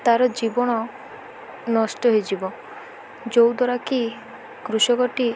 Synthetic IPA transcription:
t̪aɾɔd͡ʒibɔɽ̃ɔ | nɔsʈɔɦed͡ʒibɔ | d͡ʒowd̪ɔɾaki | kɾusɔkɔʈi

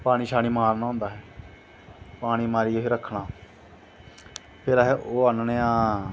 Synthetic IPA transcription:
paːɽ̃iːʃʰaːɽ̃iːmaːɾnaːɦõːnd̪aːɦɛː | paːɽ̃iːmaːɾiːoɦeɾəkʰːɽaː | pʰɪɾaɦɛʔoːənneːãː

